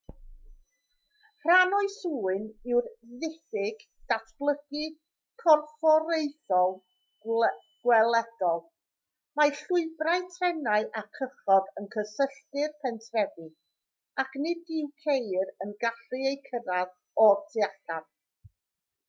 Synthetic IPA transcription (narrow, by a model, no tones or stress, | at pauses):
r̥anɔɨsuːɨnɪwrðɪθɪɡ̥ | d̥atʰb̥lˠəɡɨ | kʰɔrfɔɾejθɔlˠ | ɡ̥wɛlˠɛd̥ɔlˠ | majɬʊɨbraɨtʰrɛnaɨʔakʰəχɔdənkʰəsəɬtɨrpʰɛntʰrɛvɨ | akʰnɪdɪwkʰejɾənɡaɬɨejkʰəɾað | ɔtʰɪaɬav̥̚